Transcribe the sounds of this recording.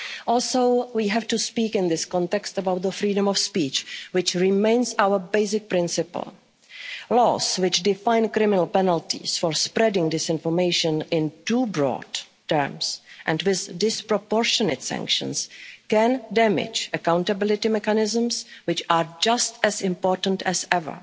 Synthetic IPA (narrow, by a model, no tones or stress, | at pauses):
ʔɔːlˠsowwiːɦɛftuspiːkɪ̃nðɪskɔ̃ntɛkstəbawt̪̚ðəfɾiːdə̃mɔfspiːt͡ʃwɪt͡ʃɹɪmẽɪnsawə˞beɪsɪk̚pɾɪ̃nsɪpə̰lˠ | lɔ̰swɪt͡ʃdɪfãɪ̃nkɾɪmɪnəlˠpɛnəltḭsfɔɹspɾɛdɪ̃ŋdɪsɪ̃nfɔɹmeɪʃə̃nɪ̃ntuːbɹɔ̰ːd | tːəɹmsʔɛ̃ndwɪðdɪspɾɔpɔɹʃɔnə̰tsã̰ŋkʃə̰̃nskɛ̃ndɛmɪ̰d͡ʒəkãwntabɪlɪtɪmɛkanɪzə̃mswɪt͡ʃaɹd͡ʒastɛzɪ̃mpɔːɹtən̩tʰɛzɛvə̰˞